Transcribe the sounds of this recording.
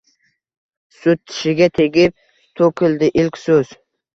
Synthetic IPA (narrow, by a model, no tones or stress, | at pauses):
sʊt̪̚ːʰɪ̥ʃɪɡʲat̪ʰe̞ɡʲɪp̚ | t̪ʰɵkʲʰɪld̪ɪʔɪlkʲsɵz̥